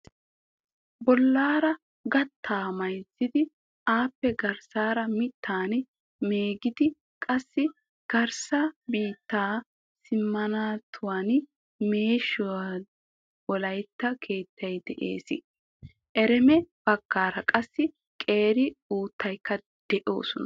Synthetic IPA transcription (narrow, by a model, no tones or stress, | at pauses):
bɔlːaːɾɐ | ɡɐt̪ʰːaːmɐjzːɪd̪ɪ | ʔaːpːɛɡɐɾsaːɾɐmɪt̪ʰːaːn | me̞ːɡɪd̪ɪ | kʼɐsːɪ | ɡ̥ɐɾsɐbiːt̪ːaː | sɪmːɐnaːt̪ʰʊwaːn | meːʃʊwa | ɔlɐjt̪ːɐkʰe̞ːt̪ːɐjd̪ɛʔḛːsɪ | ʔɛɾɛmɛb̥ɐkːaːɾɐkʼɐsːɪ | kʼe̞ːɾɪuːt̪ːɐjkːɐ | d̪̥ɛʔo̞ːsɔnɐ